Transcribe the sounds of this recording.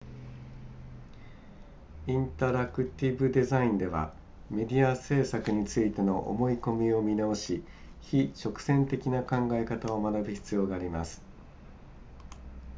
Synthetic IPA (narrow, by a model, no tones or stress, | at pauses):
ĩnt̪aɾakɯ̟t̪ʲibɯ̟d̪e̞zaĩnd̪e̞βa̰ | me̞d̪ʲiase̞ːsakɯ̟ɲ̟it͡sɨit̪e̞no̞ʔo̰mo̞iko̞mʲio̞mʲinaoɕi | çit͡ɕo̞kɯ̥sẽ̞nt̪e̞kʲinakãŋɡae̞kat̪ao̞manabɯ̟çi̥t͡sɨjo̞ːɡaːɾʲimasɨ̥